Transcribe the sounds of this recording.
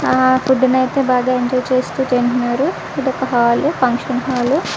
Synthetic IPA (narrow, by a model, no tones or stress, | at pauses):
akuɖːinɐjt̪e̞ːbaːɡaːeɲd͡ʒɔːjt͡ʃe̞ːst̪uːt͡ʃeːɳʈunːaːɾu | idɔkːɐɦaːlupʰɐŋkʂɐnɦaːlu